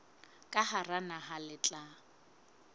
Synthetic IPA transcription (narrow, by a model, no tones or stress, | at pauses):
kʼaharanaɦalɪt͡ɬʼa